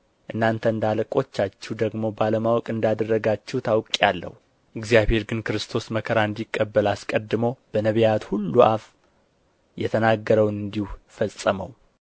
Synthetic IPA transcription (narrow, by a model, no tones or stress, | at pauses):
ʔɨnːant̪ʰəɨnd̪aləkʼo̞t͡ʃːat͡ʃːɛd̪əɡmo̞baləmawɔkʼɨnd̪ad̪ərːəɡat͡ʃːɛwt̪ʰawkʼjalːə̰hu | ʔɨɡzjaβhe̞ɾɡɨnkɨɾɨst̪ʰo̞sməkʰəɾaɨnd̪ikʼːəbːəlaskʼəd̪ːɨməwb̥ənəβijat̪hulːuʔaf | jɛt̪ʰənaɡːəɾəwnɨnd̪ihufəsʼəmə̰w